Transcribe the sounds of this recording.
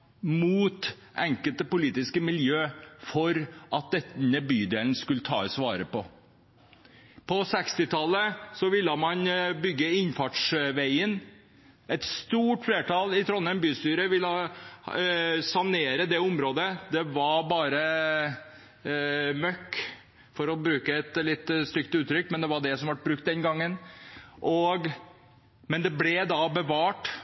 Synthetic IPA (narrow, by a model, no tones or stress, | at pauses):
muːt̪ | ʔɛŋkəlt̪əpʊliːt̪ɪskəmɪljøːfɔɾʔɑt̪̚d̪ɛnəbyːd̪eːln̩skʉlət̪ʰɑ̰ːsʋɑːɾəpɔ | pʰɔsɛkst̪ɪt̪ʰɑlːəsɔʋɪlːəmɑnbʏɡːəɪnfɑʈʂʋæɪən | ʔɛt̪st̪uːʈfleːʈɑlɪt̪ʰɾɔnːənbyːst̪yːɾəʋɪlː | sɑneːɾəd̪ɛʊmɾoːd̪əd̪ɛʋɑɾbɑːɾə | mœkː | fɔɾɔbɾʉːkəɛt̪lɪt̪ːst̪ʏkt̪əʉːt̪ʰɾʏkːmɛnd̪ɛʋɑɖɛsɔmʋɑʈ̚bɾʉk̚t̪̚d̪ɛnɡɑŋːənʔɔɡ | mɛnd̪ɛblɛd̪ɑbəʋɑːʈ